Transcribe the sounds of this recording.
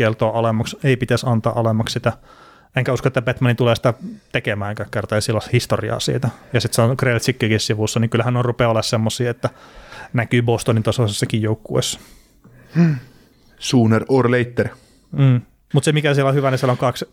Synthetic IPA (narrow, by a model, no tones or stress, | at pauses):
kelt̪oːʔɑlemɑkseipit̪æsɑnt̪ɑ̰ːʔɑlemɑkssit̪æ | eŋkæuskoet̪ːæbet̪mɑnit̪uleːsi̥t̪æt̪ekemæːŋkækkert̪ɑjisilːɑshist̪oriɑ̰ːsḭːt̪æjɑsit̪sɑnokrelt̪sikːikissiʋusːɑniŋkylhænorupeolːɑssemːosˑiːet̪ːænækyːbost̪onint̪osɑsesːɑkijjoukːuḛsːɑ̥ | suːnerorleit̪ːer | m̩ː | mut̪semikæsielohyʋænisieloŋkɑks